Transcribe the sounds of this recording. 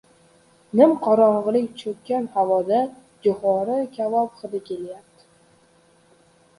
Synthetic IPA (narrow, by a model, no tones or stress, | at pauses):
nɪmqʰɒɾɒɴʁɨlɪkʲt͡ʃʰɵk̚ʲkʲːanhavɒd̪a | d͡ʒʊχɒɾɪkʲʰavɒpχɨd̪ɪkʲʰe̞ljap̚t̪ʰɪ̥